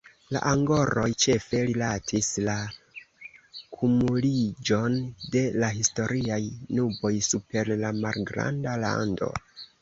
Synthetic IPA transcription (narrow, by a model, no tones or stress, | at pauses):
la̰ʔaŋɡo̞ɾo̞jt͡ʃe̞fe̞ɾilatʰisla | kʰumulid͡ʒo̞nde̞laɦisto̞ɾiajnubo̞jsupe̞ɾlamalɡɾa̰ndala̰ndo̞̰